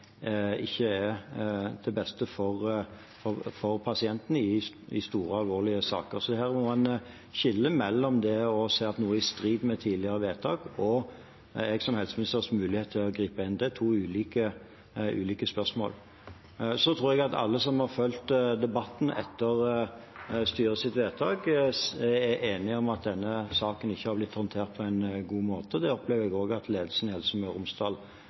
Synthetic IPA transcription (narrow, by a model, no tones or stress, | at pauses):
ɪ̰çːəɛ | d̪̥ɛbɛst̪əfɔʁ | fɔfɔɾpʰɑsɪɛnt̪n̩ɪ | ɪ̰st̪uːɾəɑlʋoːʁlɪəsɑ̰ːkəɾsɔd̪ɛhæːʁmɔmɑn | ɕɪlːəmɛlːɔmd̪ɛɔsæɪɑt̪nuːəɪst̪ɾiːd̪mɛt̪ʰiːd̪lɪəɾəʋeːt̪ʰɑːɡɔ | ɛɡsɔmhɛlsmɪnɪst̪əʁsmʉːlɪheːt̪ʰːɪlɔɡɾiːpəɪnd̪ɛt̪ʰuːʉːliːkə | ʉ̰ːliːkəspœʁsmo̰ːl | sɔt̪ʰɾuːɾɛɡɑt̪ɑ̰lːəsɔmhɑʁfœlt̪d̪ɛbɑt̪ːn̩ʔɛ̰t̪ːəʁ | st̪yːʁəsɪt̪ʋeːt̪ʰɑːɡ | ɛʔeːnɪɔmɑt̪̚d̪ɛnːəsɑːkənɪçːəhɑɾblɪt̪ːhɔnt̪ʰeːʁt̪̚pʰɔæɪnɡuːmoːt̪əd̪ɛɔpleːʋəɛɡoːɡɑt̪ʰleːd̪əlsnhɛlsɔmœɾʊmst̪ɑl